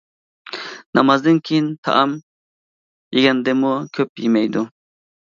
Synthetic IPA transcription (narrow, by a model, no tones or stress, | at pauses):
nɑmɑzd̪ɨnkʲʰejint̪ʰɑ̰ʔɑm | jeɡʲɛnd̪ɪmukʲʰøpjemɛjd̪u